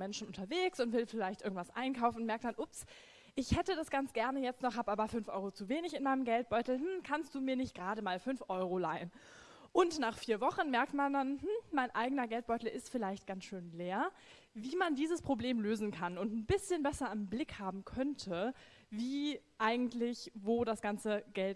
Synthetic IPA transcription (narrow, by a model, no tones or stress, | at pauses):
mɛnʃn̩ʔʊntɐveːksʊntv̥ɪlfɪlaɪçtʔɪɐɡŋ̩tv̥asʔa̰ɪnkʰaʊfn̩nmɛɐktd̥anʔʊps | ʔɪçhɛtədasɡ̥ant͡sɡ̥ɛɐnəjɛt͡stnɔχhaːbʔaːbɐfʏnfʔɔ̰ʏʁot͡suveːnɪçɪnmaɪnəmɡɛlt̚b̥ɔʏtl̩m̥m̩kʰanstd̥uːmiːɐnɪçt̚ɡ̥ʁaːɾəmaːlfʏnfʔɔʏʁolaɪən | ʔʊntnaːχfiːɐvɔχn̩mɛɐk̚tmandanmm̩maɪnʔaɪɡənɐɡɛlt̚b̥ɔʏtl̩ʔɪstfɪlaɪçt̚ɡ̥ansʃøːnleːɐ | viːmandiːzəspʁ̥obleːmløːzn̩kʰanʊntn̩bɪsçənbɛsɐɪmblɪkhaːbm̩kʰœntʰə | viːʔaɪɡŋ̩tlɪçvoːdasɡ̥ant͡səɡ̥ɛlt